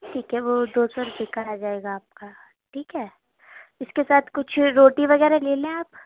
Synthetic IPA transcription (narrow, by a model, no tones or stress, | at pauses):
ʈʰiːkɦɛʋod̪oːsɔːɾʊpikaɾad͡ʒaːeːɡaːp̚ka | ʈʰiːkɦɛː | ɪskesaːt̪ʰkʊt͡ʃʰɾoːʈiʋɐɣɛːɾaɦleːlẽaːp